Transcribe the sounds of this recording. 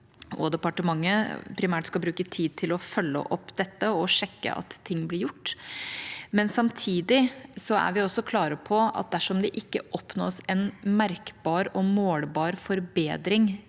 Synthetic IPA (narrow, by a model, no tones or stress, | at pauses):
ɔ̰d̪ɛpɑʈəmɑŋːəpʰɾɪmæːʈskɑlbɾʉːkət̪ʰiːd̪̚t̪ʰɪlɔfœlːə̰ʔɔpːd̪ɛt̪ːəɔʂɛkːə̰ʔɑ̰t̪ʰːɪŋːblɪɾjʊʈː | mɛnsɑmt̪ʰiːd̪ɪsɔæ̰ɾʋɪɔsɔkʰlɑːɾəpʰɔɑ̰t̪̚d̪æʂɔmd̪ɛʔɪkːəʔɔpno̰ːsɛnmæɾkbɑːɾɔmoːlbɑːɾfɔɾbeːd̪ɾɪŋ